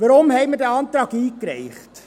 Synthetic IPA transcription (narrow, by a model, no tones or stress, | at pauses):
ʋəɾʊmhɛɪmədæɑnt̪ɾɑːkiːkɾɛ̰ɪχt